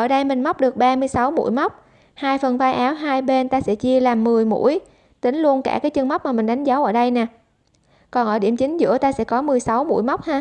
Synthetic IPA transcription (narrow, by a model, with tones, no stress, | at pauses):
ʔəː˧˩ɗə˧jmï˨˩ŋ̟ma˦˥k͡p̚ɗɨ˨˩k̚ɓaː˧mɨ˧əjsa˨˦wmṵ˧˥jma˦˥wk͡p̚ | haː˧jfə˨˩nvaː˧jʔaː˨˦wɦaː˧jɓe˧nt̪aː˧sɛ̰˧˥t͡ɕi˧əlaː˨˩mːɨ˨˩əjmṵ˧˥əj | t̪ï˨˦ŋ̟lu˧ənkaː˧˩kaː˨˦jt͡ɕɨ˧ŋma˦˥k͡p̚maː˨˩mï˨˩ŋ̟ɗa˨˦jŋ̟zaː˨˦wʔəː˧˩ɗə˧jnɛ˨˩ | kɔ˨˩nʔəː˧˩ɗi˧˩əmt͡ɕï˨˦ŋ̟zɨ̰˧˥ət̪aː˧sɛ̰˧˥kɔ˨˦mɨ˨˩əjsa˨˦wmṵ˧˥jma˦˥wk͡p̚haː˧